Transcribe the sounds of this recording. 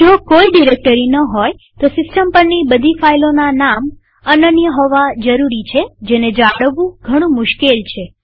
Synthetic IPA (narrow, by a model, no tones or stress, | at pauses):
d͡ʒokoiɖiɾek̚ʈəɾinəɦoj | t̪osɪsʈəmpəɾnibəd̪ʱifailonanam | ənənjəɦɔʋad͡ʒəɾuɾit͡ʃʰed͡ʒened͡ʒaɽəʋũɡʱəɽ̃ũmʊʃkelt͡ʃʰe